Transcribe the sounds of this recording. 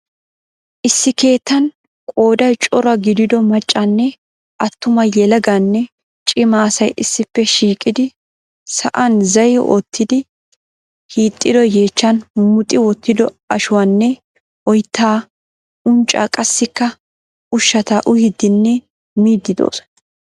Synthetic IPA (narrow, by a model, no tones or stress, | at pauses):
ʔɪsːɪke̞ːt̪ːɐn | kʼoːd̪ɐjt͡ʃʼɔɾɐɡɪd̪ɪd̪ɔmɐt͡ʃʼːɐnːɛ | ʔɐt̪ːʊmɐjɛlɐɡanːɛ | t͡ʃʼɪmaːsɐjʔɪsːɪpːɛʃiːkʼɪd̪ɪ | sɐ̰ʔɐnzɐjo̰ːt̪ːɪd̪ɪ | hiːt̪ʼːɪd̪ɔje̞ːt͡ʃːɐnmʊt̪ʼːɪwɔt̪ːɪd̪ɔ | ɐʃʊwanːɛ | ʔɔjt̪ʰːaː | ʊnt͡ʃʼa̰ːkʼɐsːɪkːɐ | ʊʃːɐt̪aʔʊhɪd̪ːɪnːɛ | miːd̪ːɪd̪o̰ːsɔ̥nɐ